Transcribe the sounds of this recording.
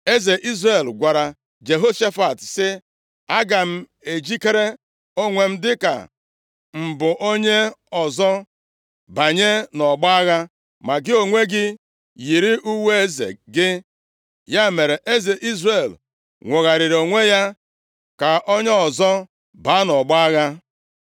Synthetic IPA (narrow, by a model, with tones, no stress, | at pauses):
e˦ze˨ʔi˦zɾe˨lɡʷa˨ɾa˨ | d͡ʒe˨ɦo˦ʃa˦fa˨tsɪ˦ | a˦ɡa˨m̩˦ | e˨d͡ʒi˦ke˦ɾe˦ | o˦ŋʷe˨m̩˦dɪ˦ka̰˨ | m̩˨bʊ˨ʔo˦ɲe˦ɔ˨zɔ˦ | ba˨ɲe˦nɔ˨ɡ͡ba˦a˦ɣa˦ | ma˨ɡɪ˦o˨ŋʷe˦ɡɪ˦ | ji˨ɾɪ˦ʔu˦we˦e˦˨zḛ˨ɡɪ˦ | ja˦me˨ɾe˨ʔe˦ze˨ʔi˦zre˨l | ŋʷʊ˨ɣa˨ɾɪ˨ɾo˨ŋʷe˦ja˦ | ka˨ʔɔ˦ɲe˦ɔ˨zɔ˦ | ba˨˦nɔ˨ɡ͡ba˦ɣa˦